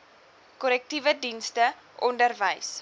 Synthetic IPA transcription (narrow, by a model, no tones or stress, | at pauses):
kɔlɛk̚tivədinstə | ʔɔndərvəjs